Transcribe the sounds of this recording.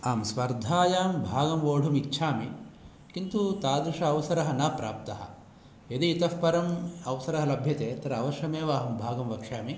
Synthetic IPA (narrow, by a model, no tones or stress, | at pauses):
aːmsʋɐɾd̪ʱaːjaːmbʱaːɡɐmʋoːɽʱumitːʃʰaːmi | kint̪ut̪aːd̪ɾuʂɐːʋsɐɾɐɦɐnɐːpɾa̰ːp̚t̪ɐɦɐ̰̆ | ed̪iit̪ɐfpɐɾɐmɐʋsɐɾɐɦɐlɐbʱjɐt̪eːt̪ɐɾɐɐʋɐʃɐmeːʋaːɦɐmbʱaːɡɐmʋɐkʂaːmi